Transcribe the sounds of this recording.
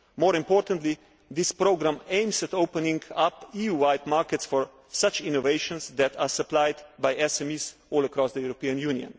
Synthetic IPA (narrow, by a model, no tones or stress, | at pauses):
mɔːɾɪ̃mpɔːɾt̪ə̃nt̪li | d̪ɪspɾoʊɡɾãmẽɪ̃msɛt̪oʊpənĩŋɡapijuwaɪtmaɹkɛtsfɔɹ | sat͡ʃinɔveɪʃɔ̃nsd̪ɛt̪ʰasəplaɪd̪bajɛsɛmis | ɔːlˠəkɾɔsd̪əjuɾɔpiə̃njũniə̰̃n